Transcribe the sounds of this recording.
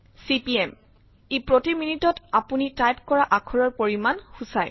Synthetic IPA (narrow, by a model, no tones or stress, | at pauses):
sipiɛm | epɹotiminitɔtapunitajp̚kɔɹaʔakʰɔɹɔɹpoɹimanxusaj